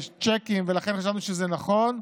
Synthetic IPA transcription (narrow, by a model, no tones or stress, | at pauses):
ʃt͡ʃekimvelaχenχaʃ̬avnuʃezɛnaχo̞n